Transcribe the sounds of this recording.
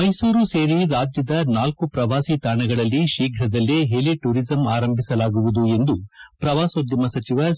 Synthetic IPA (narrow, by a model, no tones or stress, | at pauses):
mɐjsuːɾuseːɾiɾaːd͡ʒ̪jɐd̪ɐnaːlkupɾɐʋaːsit̪aːɳɐɡɐɭɐlːiʃiːɡʱɾɐd̪ɐlːeɦeliʈuːɾizɐmaːɾɐmbʱisɐlaːɡuʋud̪ue̞nd̪upɾɐʋaːsod̪jɐmɐsɐt͡ʃiʋɐ